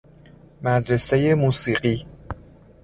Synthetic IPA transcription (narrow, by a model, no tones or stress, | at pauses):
mæd̪ɾe̞seje̞muːsiːɢiː